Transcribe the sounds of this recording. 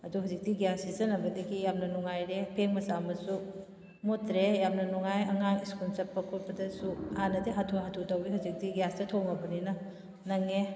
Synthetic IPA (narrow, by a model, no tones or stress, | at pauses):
ɐduɦawzik̚diɡjasizɐnɐbɐdɐɡijamnɐnuŋajɾepʰeŋmɐsamɐsu | motɾejam̚nɐnuŋajɐŋaŋiskunsɐpːɐkʰuɾpɐdɐsuhanɐdiɦatʰuɦatʰutɐwiɦawzik̚tiɡjastɐtʰoŋɐbɐninɐ | nɐŋe